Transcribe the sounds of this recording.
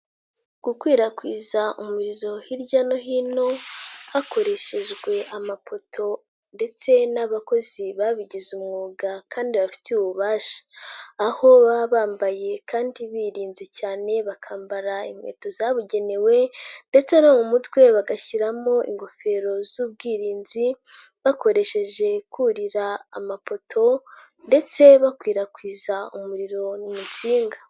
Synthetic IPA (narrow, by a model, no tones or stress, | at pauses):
ɡ̥ukwiːɾakwiːzaʔumuɾiɾo̞hiɾɟano̞ɦiːno̞akʰo̞ɾe̞ʃe̞ʒɡwe̞amapo̞tʰo̞ | nde̞t͡se̞naβako̞ziβaβiɟizumŋuːɡakʰaːndiβafi̥teuβuβaːʃḁːho̞βaβaːmbaje̞kaːndiβiɾiːnzecaːne̞βakʰaːmbaɾaḭmwe̞̰ːtozaβuɟe̞ne̞we̞nde̞t͡se̞no̞mumutwe̞βaɡaçiɾamo̞ʔḭŋɡo̞fe̞ːɾo̞zuːb̚ɡiːɾiːnzi | βako̞ɾe̞ʃe̞ʒe̞kuɾiɾaa̰mapo̞tʰo̞ | nde̞t͡se̞βakwiːɾakwiːzaṵmuɾiɾo̞numut͡siːŋɡa